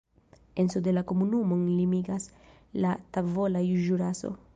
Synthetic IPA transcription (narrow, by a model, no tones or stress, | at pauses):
ensode̞lako̞munumo̞nlimiɡas | latavo̞lajuʒuɾaso̞̰